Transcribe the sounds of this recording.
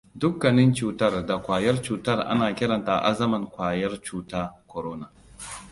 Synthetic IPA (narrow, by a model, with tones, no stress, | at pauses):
dʊ˦kːɐ˨nɪ˦nt͡ʃuː˨tɐ˦rda˨kʷaː˨jɐ˦rt͡ʃuː˨tɐ˦rʔa̰˦naː˨kʲɪ˦ɽɐ˨nta˨ʔa̰˦zɐ˦mɐ˨ŋkʷaː˨jɐ˦rt͡ʃuː˦taː˦kʷɔ˨ɾoː˦na˨